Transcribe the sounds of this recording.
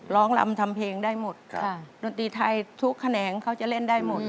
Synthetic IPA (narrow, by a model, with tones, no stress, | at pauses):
lɔː˦˥ŋla̰˧mt̪ʰa˧mpʰeː˧ŋdaː˥˩jmo˨˩t̪̚do˧nt̪ɾiː˧t̪ʰa˧jt̪ʰu˦˥kʰːa˧nɛː˩˦ŋkʰa˦˥wt͡ɕa˨˩le˥˩ndaː˥˩jmo˨˩t̪̚